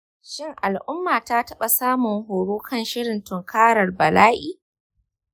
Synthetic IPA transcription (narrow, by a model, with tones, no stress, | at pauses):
ʃɪ˦ŋʔa˨lʔʊ˦mːaː˨taː˦tɐ˦ɓa˨saː˦mʊ˨ŋhoː˨ɽoː˦kɐ˦nʃɪ˦ɽɪ˨ntʊ˨ŋkʰaː˦ɽɐ˨rbɐ˨laː˦ʔiː˨